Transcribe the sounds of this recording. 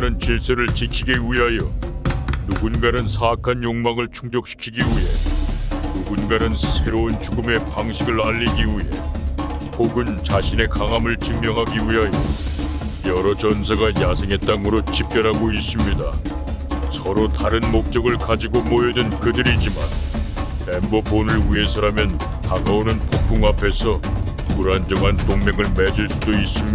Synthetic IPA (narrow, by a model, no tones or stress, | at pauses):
ɾɯnt͡ɕiɭs͈ɯɾɯɭt͡ɕikʰiɡiwiɦajʌ | nuɡunɡaɾɯnsʰaːkʰanjoŋmaŋɯɭt͡ɕʰuŋd͡ʑʌk̚ɕ͈ʰi̥kʰiɡiwiɦe̞ | nuɡunɡaɾɯnsʰe̞ɾount͡ɕuɡɯme̞paŋɕʰiɡɯɭaʎːiɡiiɦe̞̰ | poɡɯnt͡ɕaɕʰine̞kaŋamɯɭt͡ɕɯŋmjʌŋɦaɡiwiɦajo̰ | jʌɾʌt͡ɕʌnsʰeɡajasʰeŋɦe̞t̚t͈aŋɯɾot͡ɕip̚k͈jʌɾɦaɡois͈ɯmɲida | sʰʌɾotaɾɯnmok̚t͡ɕ͈ʌɡɯɭkad͡ʑiɡomojʌdɯnkɯdɯɾid͡ʑiman | memboponɯɭwie̞sʰʌɾamjʌn | kanʌonɯnpopʰuŋapʰe̞sʰʌ | kuɾand͡ʑʌŋɦantoŋme̞ŋɯɭmed͡ʑuɭs͈udois͈ɯmi